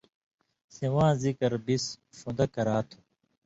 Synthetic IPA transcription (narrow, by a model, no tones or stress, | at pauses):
sẽʋãːzikɐɾbis | fũnd̪ɐkɐɾaːt̪ʰu̥